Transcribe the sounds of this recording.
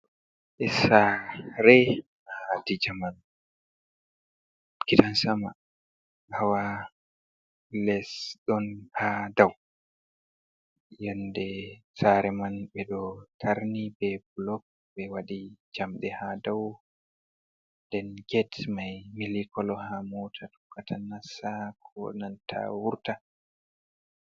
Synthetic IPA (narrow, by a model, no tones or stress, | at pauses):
ʔɛsaɾɛ | adid͡ʒaman | kidansama | hawa | lɛsɗɔnhadaw | jɔndɛ | saɾɛmanbɛɗɔtʰaɾnibɛblɔk̚ | bɛwaɗid͡ʒamɗɛhadaw | ndɛnɡɛtmajmilikɔlɔhamɔtʰatu̥kːatʰanasakʰɔ̰nantʰa̰wuɾta